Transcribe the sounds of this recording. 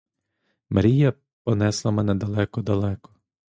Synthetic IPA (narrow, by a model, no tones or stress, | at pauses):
mɐɾʲijɐ | pɔnɛslˠɐmɛnɛd̪ɐlˠɛkɔd̪ɐlˠɛkɔ̥